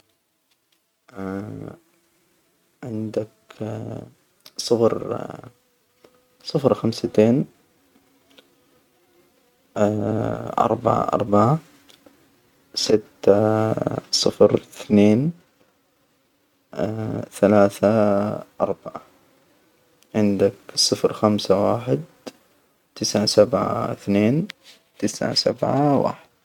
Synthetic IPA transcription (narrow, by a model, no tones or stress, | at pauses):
ʕɪnd̪ak | sˤɨfɾ | sˤɨfɾxamsat̪eːn | ʔɑ̰ɾˤba̰ʕa̰ʔɑ̰ɾˤbaʕa | sɪt̪ː | sˤɨfɾθneːn | θalaːθaʔɑɾˤbaʕa | ʕɪnd̪aksˤɨfɾxamsawaːħɪd̪ | t̪ɪsʕasabʕa̰ɪθneːn | t̪ɪsʕa̰sa̰bʕawa̰ːħɪd̪̥̚